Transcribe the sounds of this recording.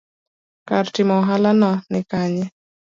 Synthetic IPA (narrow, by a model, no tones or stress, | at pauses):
kaɾtimɔɦalanɔnɪkaɲɛ